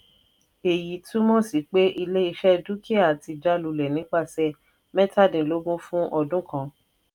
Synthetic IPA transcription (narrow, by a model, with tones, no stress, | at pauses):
e˨ji˨˦tũ˦mɔ̃˦˨si˨˦k͡pe˦ʔi˧le˦i˧ʃɛ˦du˦ki˦a˦˨ti˧d͡ʒa˦lu˧lɛ˨nĩ˨˦k͡pa˦˨sɛ˧ | mɛ̃˦ta˦˨dĩ˨lo˨˦ɡõ˦fũ˦ʔɔ˧dũ˦kã˦˧